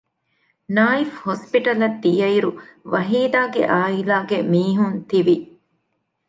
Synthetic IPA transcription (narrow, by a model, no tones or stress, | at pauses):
naːifhospiʈɐlɐd̪ːijɐiɾuʋɐɦiːd̪aːɡḛʔaːilaːɡemiːɦunt̪iʋi